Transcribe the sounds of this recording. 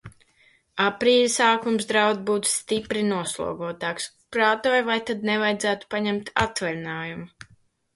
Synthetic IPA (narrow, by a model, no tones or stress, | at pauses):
apɾiːlʲisaːkumsd̪ɾawd̪buːt̪st̪ipɾinuɔslˠṵɔɡɔɔt̪aːks | pɾaːt̪ɔːjvajt̪ad̪̚nɛvajd̪zæːt̪u̥paɲɛmt̪a̰t̪vɛlʲnaːjuma